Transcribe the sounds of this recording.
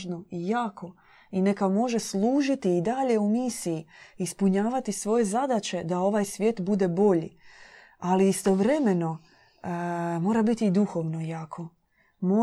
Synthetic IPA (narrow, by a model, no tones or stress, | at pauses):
ʒno̞ijaːkʰo̞ | ine̞kamo̞ʒe̞slˠuːʒit̪iːd̪aʎe̞umisijiispuɲaːʋat̪isʋo̞je̞zad̪at͡ɕe̞d̪ao̞ʋaːjsʋʲje̞ːt̪bud̪e̞bo̞ʎḭ | aliist̪o̞ʋɾe̞me̞no̞ | mo̞ːɾabit̪iːd̪uxo̞ʋno̞jaːkʰo̞ | mo